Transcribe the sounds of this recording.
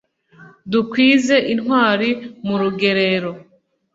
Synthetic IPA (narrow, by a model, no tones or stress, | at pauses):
dukwiːze̞ʔinhwaːɾimuɾuɡe̞ɾe̞ɾo̞